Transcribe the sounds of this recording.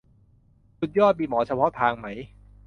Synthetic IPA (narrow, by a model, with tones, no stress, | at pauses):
su˨˩t̪̚jɔː˥˩t̪̚miː˧mɔː˩˦t͡ɕʰa˧pʰɔ˦˥t̪ʰaː˧ŋma˦˥j